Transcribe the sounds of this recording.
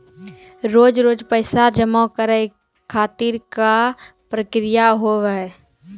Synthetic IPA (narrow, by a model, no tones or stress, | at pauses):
ɾoːd͡ʒɾoːd͡ʒpəɪsad͡ʒəmakəɾə | kʰːaːt̪iɾkapɾəkɾɪjaɦoʋəɛ